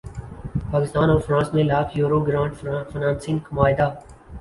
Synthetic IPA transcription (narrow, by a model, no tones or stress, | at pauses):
paːkɪst̪aːnɔːɾfɾãːnsmẽlaːfjuːɾoːɡɾãːɳɖfɪnãːnsɪ̃ŋkʰəmaːɪd̪aː